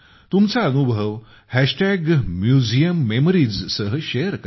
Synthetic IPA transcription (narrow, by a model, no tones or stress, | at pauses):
t̪umt͡saənubʱəʋ | hæɕʈæɡmjud͡zijəmːemɾid͡zsəɦəɕejəɾk